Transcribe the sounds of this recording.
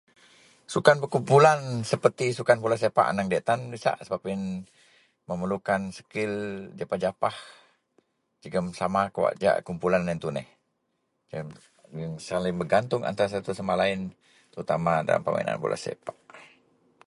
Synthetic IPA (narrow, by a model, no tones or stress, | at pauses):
sukanbəkumpulansəpərt̪isukanpulas̬epa̰ʔnaŋdɛʔt̪anbisa̰ʔsəbapɪn | məməlukansə̥kɪld͡ʒapad͡ʒapah | d͡ʒəɡəmsamakəwa̰ʔd͡ʒa̰ʔkumpulanːɛnt̪unɛh | d͡ʒəm | ŋsalɪŋbəɡant̪ʊŋa̰nt̪aɾas̬at̪usamalaɪn | t̪əɾut̪amada̰la̰mpəma̰ḭna̰npṵlʔa̰sḛpḁʔ